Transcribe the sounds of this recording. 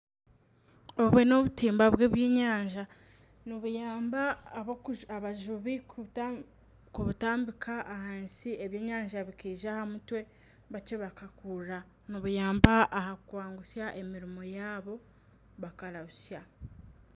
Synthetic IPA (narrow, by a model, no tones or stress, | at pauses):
o̞βwe̞no̞βutiːmbaβwe̞ːβjeːɲaːɲʒa | niβujaːmbaːβokaβaʒuβi | kuβutaːmbikʰaʔːhaːnsieβjeːɲaːɲʒaβikiːʒahamutwe̞ | βat͡ʃeβakakuɾa | niβujaːmbaːhakukwaːŋɡusjaʔe̞miɾimo̞jaːβo̞ | βakaɾahusja